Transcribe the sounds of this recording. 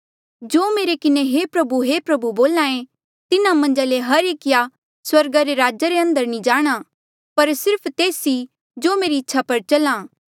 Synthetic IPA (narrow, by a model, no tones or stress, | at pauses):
d͡ʒoːmeːɾekɪneɦepɾɐbuɦepɾɐbuboːlãːẽ | t̪ɪnãmɐ̃nd͡ʒaleɦɐɾeːkɪja | swɐɾɡaɾeɾaːd͡ʒaɾeɐ̃nd̪əɾnĩd͡ʒaːɽ̃a | pɐɾsɪɾpʰt̪eːsi | d͡ʒoːmeːɾiɪtːʃʰapɐɾt͡ʃɐlãː